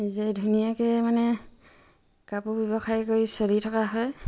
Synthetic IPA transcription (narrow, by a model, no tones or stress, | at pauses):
nizɛdʱunijakɛmanɛ | kapubɛbɔxʰajkoɹjsɔlitʰakaɦɔj